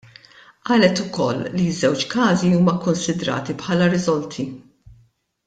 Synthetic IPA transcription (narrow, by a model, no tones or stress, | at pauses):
ʔɐːlɛt̪ʊkɔlːizɛwt͡ʃkɐːziuːmɐkʊnsɪd̪ɾɐ̰ːt̪ipħɐːlɐɾɪzɔlt̪ʰi